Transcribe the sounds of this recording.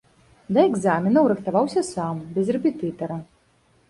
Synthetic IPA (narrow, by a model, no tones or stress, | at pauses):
d̪ɐɛɡzamʲɛnɐwɾɨxt̪avawsʲɐsambʲɛzrɛpʲɛt̪ɨt̪ɐɾɐ